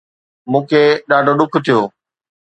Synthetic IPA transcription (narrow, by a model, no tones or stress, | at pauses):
mũːkʰeɗaːɖʱoɗʊkʰt̪ʰijoː